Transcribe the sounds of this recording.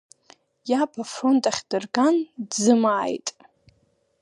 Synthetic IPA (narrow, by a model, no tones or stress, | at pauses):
japʰafro̞ntʼaχʲdɨrɡandzɨmaːjtʼ